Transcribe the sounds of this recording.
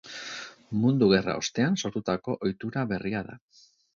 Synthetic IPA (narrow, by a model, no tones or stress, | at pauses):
mund̪uɣe̞ra̰o̞st̪e̞anso̞ɾt̪ut̪ako̞ʔojt̪uɾaβe̞riaða̰